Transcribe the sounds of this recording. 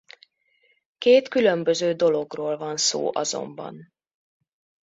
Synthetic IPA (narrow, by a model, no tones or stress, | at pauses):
keːt̪kylø̞mbøzøːd̪o̞lo̞ɡroːlvɒnso̰ːʔɒzo̞̰mbɒ̰n